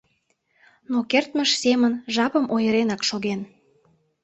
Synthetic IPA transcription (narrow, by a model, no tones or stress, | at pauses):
nokert̪məʃsemənʒɑpəmʔojəɾenɑkʃoɣen